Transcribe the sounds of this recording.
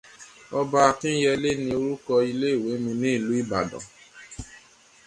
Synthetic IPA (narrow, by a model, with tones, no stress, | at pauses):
ɔ˧ba˧a˧tĩ˦jɛ˧le˦nĩ˧o˧ɾu˦kɔ˧i˧le˦i˦˨we˨˦mĩ˧nĩ˦i˦˨lu˨˦i˦˨ba̰˨dɔ̰̃˨